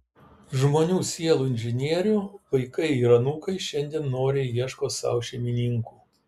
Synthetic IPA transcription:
ʒmoːnʲuːsʲiɛlˠuːɪnʲʒʲɪnʲiɛɾʲʊʋɐɪkɐɪiɾɐnuːkɐɪʃʲɛnʲd̪ʲiɛnːoːɾʲeːjiɛʃkoːsɐ̰ʊʃʲɛmʲɪnʲiŋkuː

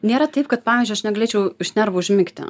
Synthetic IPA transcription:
nʲeːɾɐt̪ɐɪp̚kɐt̪̚pɑːʋʲiːzd͡ʒʲʊɐʃnʲɛɡɐlʲeːt͡ʃʲɛʊʊʃʲnʲɛɾʋɐʊʒʲmʲɪkt̪ʲɪ̰

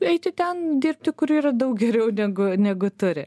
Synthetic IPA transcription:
ɛɪt̪ʲɪt̪ʲɛnd̪ʲirʲp̚ʲt̪ʲɪkʊɾiːɾɐd̪ɐʊkɡʲɛɾʲɛʊnʲɛɡʊnʲɛɡʊt̪ʊɾʲɪ

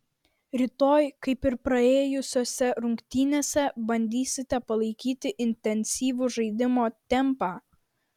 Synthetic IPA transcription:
ɾʲɪt̪oːjkɐɪpɪɾpɾɐeːjʊsʲoːsʲɛɾʊŋʲkʲt̪ʲiːnʲeːsʲɛbɐnʲd̪ʲiːsʲɪt̪ʲɛpɐlˠɐɪkʲiːt̪ʲɪʔɪnʲt̪ʲɛnʲsʲiːʋʊʒɐɪd̪ʲɪmoːt̪ʲɛmpaː

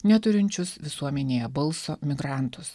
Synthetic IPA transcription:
nʲɛt̪ʊɾʲɪnʲt͡ʃʲʊsʋʲɪsuɔmʲɛnʲeːjɛbɐlˠsoːmʲɪɡɾɑˑnt̪ʊs

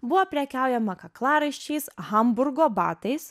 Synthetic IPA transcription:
bʊʋoːpʲɾʲɛkʲæˑʊjɛmɐkɐklˠɑːɾɐɪʃʲt͡ʃʲɛɪsɣɐmbʊɾɡoːbɑ̰ːt̪ɐɪs

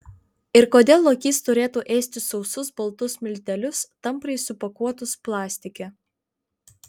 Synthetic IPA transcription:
ɪɾkoːd̪ʲeːlˠːokʲiːst̪ʊɾʲeːt̪uːʔɛːsʲt̪ʲɪsɒʊsʊsbɐlˠt̪ʊsmʲɪlʲt̪ʲɛlʲʊst̪ɐmpɾɐɪsʊpɐkuɔt̪ʊsplˠɑːsʲt̪ʲɪkʲɛ

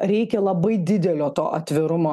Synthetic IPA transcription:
ɾʲɛɪkʲɛlˠɐbɐɪd̪ʲɪd̪ʲɛlʲoːt̪o̰ːʔɐt̪ʲʋʲɪɾʊmoː

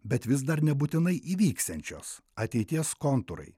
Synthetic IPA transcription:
bʲɛt̪ʋʲɪsd̪ɐɾnʲɛbuːt̪ʲɪnɐɪʔiːʋʲiːkst̪ɛnʲt͡ʃʲo̰ːs | ɐt̪ʲɛɪt̪ʲiɛskont̪ʊɾɐ̰ɪ

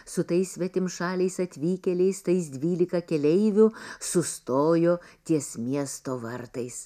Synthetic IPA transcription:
sʊt̪ɐɪssʲʋʲɛt̪ʲɪmʃɑːlʲɛɪsɐt̪ʲʋʲiːkʲɛlʲɛɪst̪ɐɪs̬d̪ʲʋʲiːlʲɪkɐkʲɛlʲɛɪʋʲʊsʊst̪oːjoːt̪ʲiɛsmʲiɛst̪oːʋɐɾt̪ɐɪs

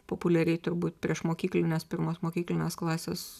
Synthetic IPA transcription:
poːpʊlʲɛɾʲɛɪt̪ʊɾbuːt̪pʲɾʲiɛʃmoːkʲiːklʲɪnʲespʲɪɾmoːsmoːkʲiːklʲɪnʲeːsklˠɑːsʲḛːs

